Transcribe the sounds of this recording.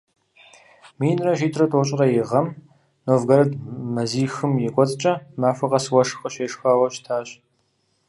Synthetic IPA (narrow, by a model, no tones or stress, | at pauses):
miːnrɐʒiːtʰrɐtʰʼoɕʼɪrɐjɪʁɐm | noːvɡɐɾɐdmɐziːxɨmjɛkʷʼɔt͡sʼt͡ʃʼɐmaːfʷɐqɐswɐʂɨxɐɕeːʂxaːwɐɕtʰaːɕ